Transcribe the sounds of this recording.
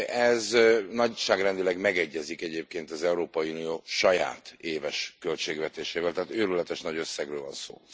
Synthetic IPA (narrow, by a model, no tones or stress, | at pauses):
ʔɛznɒɟʃaːɡrɛnd̪ilɛɡmɛɡɛɟːɛzikɛɟeːp̚keːnt̪ɒzɛuɾoːpɒjiunijoːʃɒja̰ːt̪eːvɛʃkølt͡ʃeːɡvɛt̪eːʃeːvɛlt̪ɛɦːt̪øːɾylɛt̪ɛʃnɒɟøsːɛɡrøːlvɒnso̰ː